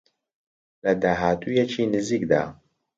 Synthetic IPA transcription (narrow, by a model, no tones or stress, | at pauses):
lɐd̪aːɦaːt̪ʰujɛt͡ʃʰiːnɨziːk̚d̪a̰ː